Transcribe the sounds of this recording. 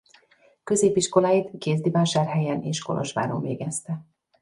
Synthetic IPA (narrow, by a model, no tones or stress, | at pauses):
kø̞zeːpiʃko̞laːjit̪keːzd̪ivaːʃaːrɦɛjɛnḛːʃko̞̰lo̰ʃʋa̰ːɾo̰mveːɡɛst̪ɛ